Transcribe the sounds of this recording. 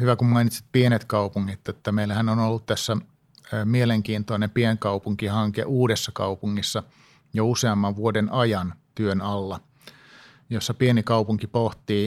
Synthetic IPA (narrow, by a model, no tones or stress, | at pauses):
hyʋækummɑinit̪si̥t̪̚pienet̪kɑupuŋːit̪et̪ːæmeilæhænonolːut̪t̪æsːæ | mieleŋkiːnt̪onempieŋkɑupuŋkihɑŋkḛʔuːdesːɑkɑ̰upuŋːisːɑ | jouseɑmːɑʋʋuodenɑjɑnt̪yønɑlːɑ | josːɑpienikɑupuŋkipoht̪iː